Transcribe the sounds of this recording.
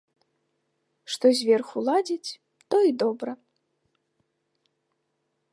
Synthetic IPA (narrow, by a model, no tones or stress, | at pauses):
ʂt̪ɔzʲvʲɛrxulˠad͡zʲit͡sʲ | t̪ɔid̪ɔbɾɐ